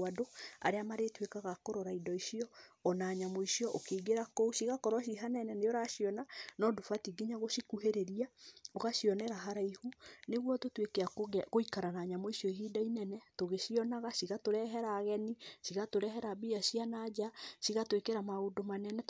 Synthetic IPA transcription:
adoa̰ɾeamaɾetwekaɣakoɾɔɾaidɔiʃiɔɔnaːɲamoiʃiɔʔokeːɡeɾakouʃiɣakɔɾwɔʃ̬iɦananɛneoɾaʃiɔnanɔdofatiɡiɲaɣosikuheɾeɾiaoɣaʃiɔnɛɾaɦaɾaihuneɣwɔtotwekeakoikaɾanaːɲamoiʃiɔiɦidainɛnɛtoɣeʃiɔnaɣasiɣatoɾɛɦɛɾaɣɛniʃiɣatoɾɛɦɛɾabiasianad͡ʒasiɣatwekeɾamaodomanɛnɛ

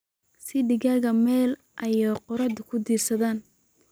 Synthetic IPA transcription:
sɪɖɪɣaːɣɐmɛːl | ʔɐjɛqɔɾɐd̪ʊkʰʊd̪iːrsɐðaːn

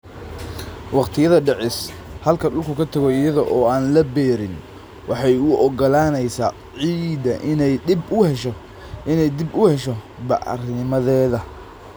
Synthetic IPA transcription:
wɑqt̪ʰɪjɐðɐɖɛʕɪs | hɐlkʰɐɖʊlkʰʊkʰɐt̪ʰɐɣɔɪjɐðɔʔɔːaːnlɐbɛːɾɪn | wɑħɑjʊʔɔɡɔlaːnɛjsa̰ː | ʕiːd̪ɐʔɪnɛjɪbʊhɛʃɔ | ʔɪnɛjd̪ɪbʊhɛʃɔ | bɑ̰ʕ̰rnɪmɐðɛːðɐ

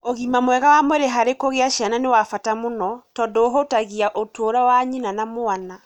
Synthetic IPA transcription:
oɣimamwɛɣawamwɛɾeɦaɾekoɣeaʃiananewafatamonɔtɔdɔoɦotaɣiaʔotoɾawaɲinanamoana

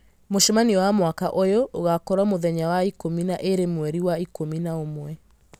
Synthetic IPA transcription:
moʃɔmaniwamwakaʔojɔʔoɣakɔɾamoðɛɲawaikominaʔeɾemwɛɾiwaikominaomwɛ

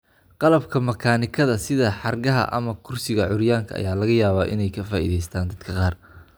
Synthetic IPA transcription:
qɑlɐbkʰɐmɐkʰaːnɪkʰɐðɐsɪðɐħɑrɡɐɦɐ̰ʔɐ̰mɐkʰʊrsɪɣɐʕʊɾjaːŋkʰɐ̰ʔɐ̰jaːlɐɣɐjaːβaːʔɪ̰nɛjkʰɐfaːʔḭːðɛjst̪ʰaːnd̪ɐd̪kʰɐqɑːr

